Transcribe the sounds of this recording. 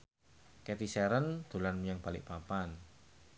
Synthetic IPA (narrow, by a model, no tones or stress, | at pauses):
kɛt̪isɛɾənd̪̥o̤lanmijaŋb̥a̤lɪ̰ʔpapan